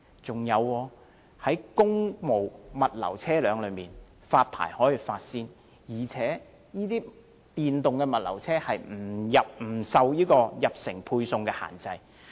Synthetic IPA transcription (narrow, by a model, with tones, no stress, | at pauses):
t͡sʊ˨ŋjɐ˨˧wːɔː˧ | hɐ˨˥jkʊ˥ŋmo˨˩wmɐ˨t̚lɐ̰˨˩wt͡sʰɛː˥lœː˨˧ŋlɵ˨˧ɥmiː˨n | faː˧t̚pʰa̰ː˨˩jhɔː˨˥jiː˨faː˧t̚siː˧n | jiː˨˩t͡sʰɛː˨˥ | jiː˥t̪iː˥ | t̪iː˨nt̪ʊ˨ŋkɛ˧mɐ˨t̚lɐ̰˨˩wt͡sʰɛː˥hɐ˨jm̩˨˩jɐ˨p̚m̩˨˩sɐ˧wjiː˥kɔː˧jɐ˨p̚sɪ˨˩ŋpʰuː˧jsʊ˨˧ŋkɛː˧ha̰ː˨˩nt͡sɐ˧j